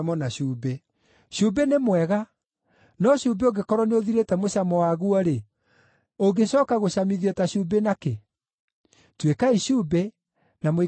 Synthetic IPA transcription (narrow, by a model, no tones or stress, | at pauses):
mɔnaɕuːbe | ɕuːbenemwɛɣa | nɔɕuːbeoɡekɔɾwɔneoðiɾetɛmoɕamɔwaɣuɔɾe | oɡeɕɔːkaɣoɕamiðiɔtaɕuːbenake | twekaiɕuːbe | name